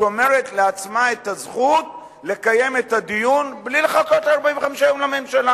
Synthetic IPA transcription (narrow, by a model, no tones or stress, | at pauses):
ome̞ʁet̪leat͡smaet̪azχut | le̞kaje̞metad̪ijunblileχakot̪laʁbaĩveχamʃaomlamemʃala